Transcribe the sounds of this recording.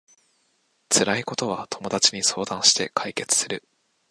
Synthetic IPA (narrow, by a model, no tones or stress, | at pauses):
t͡sɨɾaiko̞t̪o̞βat̪ʰo̞mo̞d̪at͡ɕiɲ̟iso̞ːd̪ãɰ̃ɕi̥t̪e̞kʰaike̞t͡sɨ̥sɨɾɯ̟